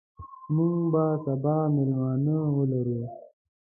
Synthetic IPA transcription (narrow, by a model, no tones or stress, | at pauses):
muŋɡbasabɑːmɪlmɑːnəwəlaɾu